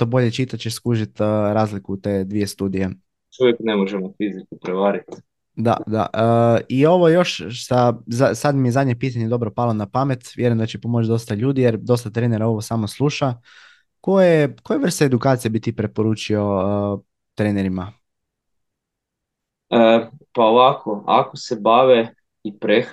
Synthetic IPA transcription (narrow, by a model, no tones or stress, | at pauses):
t̪o̞bo̞ʎet͡ʃit̪at͡ʃeʃskuʒit̪ːɾaːzlikut̪e̞d̪ʋije̞st̪uːd̪ije | jjoʃujeknemoʒemofizikkipɾeʋaːɾit̪ | d̪a̰d̪a̰ʔəio̞ʋojo̞ʃsazasad̪mijezad̪ɲe̞piːt̪aɲe̞d̪o̞bɾopalˠonapame̞t̪ʋjeɾuimnd̪at͡ɕepo̞mo̞t͡ʃd̪o̞st̪aʎuːd̪ijeɾd̪o̞st̪at̪ɾeneɾao̞ʋo̞saːmoslˠuːʃa | kojekojeʋr̩st̪eed̪ukaːt̪sijebit̪ipɾe̞po̞ɾuːt͡ʃio̞ | t̪ɾeːneɾima | əpaoʋakʰoa̰kosebaʋe | ipɾe